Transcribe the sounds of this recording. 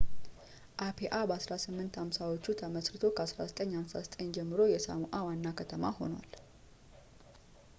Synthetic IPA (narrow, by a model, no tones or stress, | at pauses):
ʔapʰeʔabəasɾasɨmːɨnt̪hamsawo̞t͡ʃːut̪ʰəməsɾɨt̪ʰo̞kʰəasɾa̰zət̪ʼəɲːhamsazət̪ʼəɲd͡ʒɛmːɨɾo̞jɛsa̰muʔawanːakʰət̪ʰəma̰ho̞̰na̰l